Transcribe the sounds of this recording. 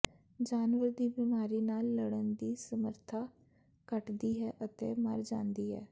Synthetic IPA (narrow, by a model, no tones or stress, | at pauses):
d͡ʒaːnʋəɾd̪iːbɪmaːɾiːnaːlːəɽənd̪iːsəməɾt̪ʰaː | kəʈd̪iːɦɛːʔət̪ḛːmə̰ɾd͡ʒãːnd̪iːɦɛ̰ː